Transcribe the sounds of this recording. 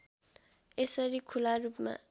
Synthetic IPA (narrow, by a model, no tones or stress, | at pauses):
esʌɾikʰularupma̰